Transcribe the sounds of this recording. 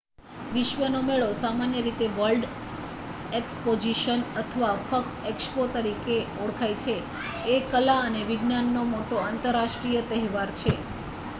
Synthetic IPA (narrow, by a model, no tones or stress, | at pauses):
ʋiʃʋənomeɭosamanjəɾit̪eʋəlɖ | ekspod͡ʒiʃənət̪ʰəʋafək̚ | ekspot̪əɾikeoɽkʰajt͡ʃʰeː | kəlaəneʋɪɡnanːomoʈoant̪əɾːaʃʈɾijət̪əɦɛʋaɾt͡ʃʰe